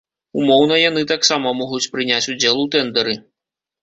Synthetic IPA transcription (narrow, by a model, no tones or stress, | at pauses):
umɔwn̪ɐjanɨt̪aksamɐmɔɣut͡sʲpɾɨnʲat͡sʲud͡zʲɛlˠut̪ɛnd̪ɐɾɨ